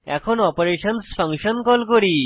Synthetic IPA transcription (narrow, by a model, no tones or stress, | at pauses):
ɛ̰kʰɔnɔpoɾeʃɔnspʰaŋʃɔnkɔlkoɾi